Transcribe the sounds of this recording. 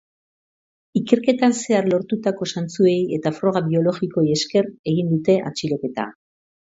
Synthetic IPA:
ike̞ɾke̞t̪anse̞arlo̞ɾt̪ut̪ako̞sant͡sue̞je̞t̪afɾo̞ɣ̞aβio̞lo̞ɣiko̞je̞ske̞re̞ɣ̞ind̪ut̪e̞ʔa̰t͡ʃiɾo̞ke̞t̪a̰

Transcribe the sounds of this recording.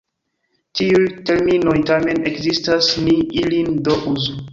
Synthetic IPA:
tiujte̞ɾmino̞jtame̞ne̞kzistasniilindoʔuzo

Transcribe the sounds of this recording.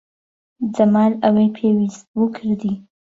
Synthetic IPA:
d͡zamɑlawepʰewizwəkʰəɾd̪i

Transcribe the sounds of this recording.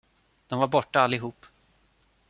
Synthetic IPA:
d̪̥ɔmvaɾbɔʈːaalːɪɦuːpː

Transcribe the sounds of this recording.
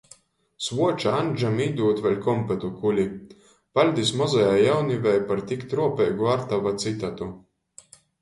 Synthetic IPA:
svuɔt͡ʃaanʲd͡ʒamiːd̪uːt̪vɛlʲkɔmpɛt̪ukulʲi | palʲd̪ismɔzajaːjawnivɛjpaɾt̪ikt̪ɾuɔpɛːɡuaɾt̪avat̪sit̪at̪u

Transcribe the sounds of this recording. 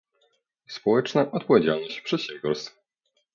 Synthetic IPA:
spɔwɛt͡ʂnaʔɔt̪̚pɔvʲjed͡ʑalnɔɕt͡ɕpʂɛɕɛvɡʲɔɾst̪

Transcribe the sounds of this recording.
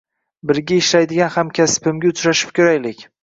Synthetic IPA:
bɪɾɡʲaɪʃlajd̪ɪɡʲanhamkʲʰaspɪmɡʲaʊt͡ʃʰɾaʃɪ̥p̚kʲʰɵɾajlɪkʲ

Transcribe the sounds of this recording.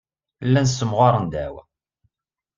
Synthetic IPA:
lːænsːəmʁʊɾˤənd̪æ̰wæ̰

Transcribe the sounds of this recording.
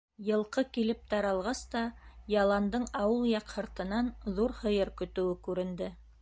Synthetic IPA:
jɤ̆lˠqɤkilɘp̚t̪ɑɾɑlˠʁɑst̪ɑjɑlˠɑnd̪ɤɴɑwɤlˠjɑqhɤ̆ɾt̪ɤ̆nɑnðuɾhɤ̆jɤɾkɵ̆t̪ɵ̆wɘkʉɾɘ̆nd̪ɘ

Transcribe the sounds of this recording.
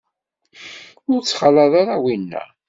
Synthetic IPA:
ʊɾt͡sːχalɑðˤaɾawinːæ̰

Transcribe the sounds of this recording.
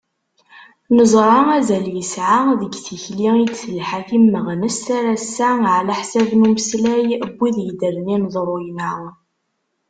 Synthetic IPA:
nəzˤɾˤɑæzæljəsʕaðəɡθiçliit͡sːəlħakimːəʁnəsaɾæsːæʕlæħsævnuməslæjəbʷːiðjid̪əɾninzˤɾˤʊjnəʁ

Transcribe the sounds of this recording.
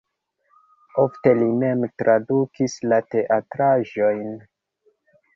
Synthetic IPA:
ofte̞lime̞mtɾʔadukislate̞ʔatɾaʒo̞jn

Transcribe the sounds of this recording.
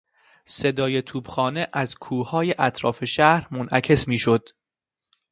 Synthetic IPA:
se̞d̪ɒːje̞t̪ʰuːbxɒːneʔæzkʰuːhɒːje̞ʔæt̪ʰɾɒ̰ːfe̞ʃæhɾmonʔæcʰe̞smiːʃo̞d̪̥

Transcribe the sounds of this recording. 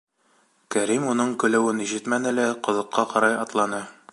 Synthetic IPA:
kæɾimunɤɴkɵ̆læwɘniʑɘt̪mænɘ̆læqŏðɤ̆qːɑqɑɾɑjɑt̪lˠɑnɤ

